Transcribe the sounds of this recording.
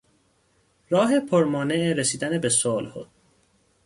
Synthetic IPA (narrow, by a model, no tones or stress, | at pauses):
ɾɒːɦepʰoɾmɒːne̞ʔeɾesiːd̪ænebesolho̰d̪̥